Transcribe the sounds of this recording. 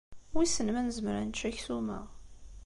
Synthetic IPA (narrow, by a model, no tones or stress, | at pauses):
wisənmænzəmɾæ̰nt͡ʃːæçθumæ̰